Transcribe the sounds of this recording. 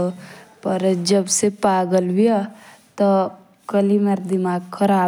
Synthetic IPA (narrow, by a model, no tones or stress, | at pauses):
opəɾd͡ʒəbsepaːɡəlbijat̪ɔ | kəlimeɾd̪imaːɡkʰɐɾaː